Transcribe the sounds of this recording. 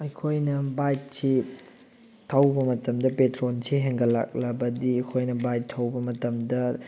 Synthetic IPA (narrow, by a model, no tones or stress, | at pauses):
ɐjkʰojnɐbajt̚si | tʰːɐwbɐmɐtɐmdɐpetɾonseɦeŋɡɐla̰k̚lɐbɐdiɐkʰojnɐbajtʰːɐwbɐmɐtɐmdɐ